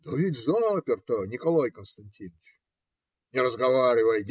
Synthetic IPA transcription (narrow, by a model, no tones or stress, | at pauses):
d̪əvʲidʲzd̪oməəpʲɪrt̪onʲɪkɐlˠajkənst̪ɐnʲtʲinət͡ɕ | nʲɪɾəzɡɐvaɾʲɪvəjd̪ʲ